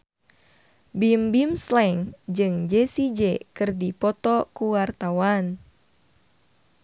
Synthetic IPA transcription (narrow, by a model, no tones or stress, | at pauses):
bimbimslɛŋd͡ʒɨŋd͡ʒɛsid͡ʒɛkɨrdipɔt̪ɔkuwart̪awan